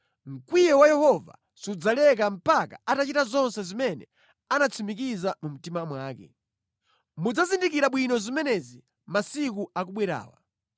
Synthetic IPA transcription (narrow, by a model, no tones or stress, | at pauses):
ŋ̩kwijɛwajɛhɔva̰ | siud͡zalɛk̬am̩paka̰atat͡ʃitazɔnsɛzimɛnɛ | anat͡sʰimik̬izamum̩timamwaːkɛ̰ | mud͡zazindik̬iɾaɓwinɔzimɛnɛzi | masikuak̬uɓwiɾa̰ːwa̰